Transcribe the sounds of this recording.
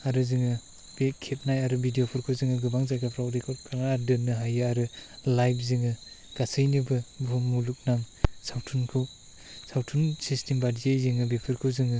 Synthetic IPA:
aɾɯzɯŋɯ | b̥ekʰep̚najaɾɯbʱidijopʰɯɾkʰɯwzɯŋɯɡɯbaŋzajɡapʰɾawdekʰɔtkʰanaːɾdɯnːɯɦajɯaɾɯlajp̚ʰzɯŋɯ | ɡ̥asɯjnɯbɯbumuluk̚naŋ | sawtʰunkʰɯw | sawtʰunsistʰembadiejzɯŋɯbepʰɯɾkʰɯwzɯŋɯ

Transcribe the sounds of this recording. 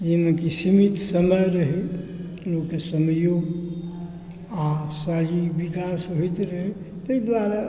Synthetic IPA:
d͡ʒimekisimit̪səməjɾəɦe | lokːesəmjoɡ | asalibikasɦojt̪ɾəɦe | t̪əid̪ʋaɾa

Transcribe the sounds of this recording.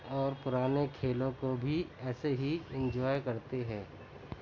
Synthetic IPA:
ɔːɾpʊɾaːnekʰeːlõkobʱiɛːseɦiɪ̃ɲd͡ʒɔːjkɐɾt̪eɦɛ̃ː

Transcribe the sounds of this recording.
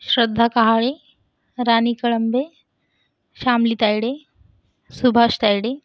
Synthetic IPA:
ʃɾəd̪ʱːakaɦaːɭe | ɾaːnikɐɭɐmbe | ʃaːmlit̪ɐjɽe | subʱaʃt̪ɐjɽe

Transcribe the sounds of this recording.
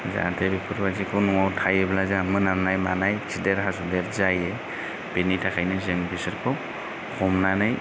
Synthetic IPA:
za̰tʰebipʰɯɾbazikʰɯwnɔŋawtʰajeblazamɯnamnajmanajsʰideɾɦasudeɾzaje | b̥enitʰakʰajnɯzeŋbisɯɾkʰɯw | kʰɔmnanaj

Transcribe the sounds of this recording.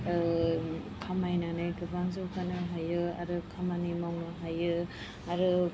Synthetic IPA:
kʰamajnanɯjɡɯbaŋzokʰanɯɦajɯa̰ɾɯkʰamanimawnɯɦajɯ | aɾɯ

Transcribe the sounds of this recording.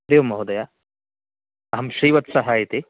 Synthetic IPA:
ɾijʋɐmːɐɦud̪ɐja | ɐɦɐmʃɾiːʋɐt̪sɐɦaːjit̪i

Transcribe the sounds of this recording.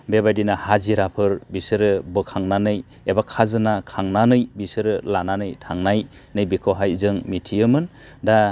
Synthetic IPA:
bebajdinahaziɾapʰɯɾbisɯɾɯbɯkʰaŋnanɯj | ebakʰazɯnakʰaŋnanɯjbisɯɾɯlananɯjtʰaŋnaj | nɯjbikʰowɦajzɯŋmitʰijɯmɯn | da

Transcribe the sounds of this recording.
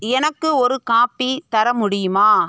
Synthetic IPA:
ɛnɐkːɯɔɾɯkaːpːit̪ɐɾɐmʊɽɪjɯmaː

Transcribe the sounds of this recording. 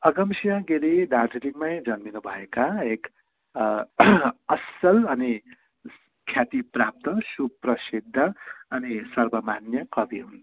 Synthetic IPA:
ʌɡʌmsijãɡeɾidarʈiɾiŋmajd͡zʌnminubʱʌekaek | ʌsʌlʌni | kʰjat̪iprap̚t̪ʌsuprʌsid̪ʱːʌʌnisʌrbʌmanjʌkʌbʱiɦun

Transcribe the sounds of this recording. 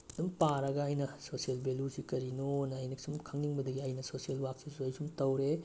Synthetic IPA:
dumpaɾɐɡɐːjnɐsosielbelusikɐɾinonɐːjnɐksumkʰɐŋniŋbɐdɐɡiɐjnɐsosielwak̚sisuɐjsumtɐwɾe

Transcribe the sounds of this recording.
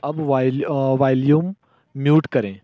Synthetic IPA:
ɐbʋaʋaːljuːmː | juːʈkɐɾẽː

